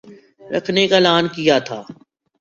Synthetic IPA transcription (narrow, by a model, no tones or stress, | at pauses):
ɾɐ̰kʰnekaɪlaːnkijat̪ʰaː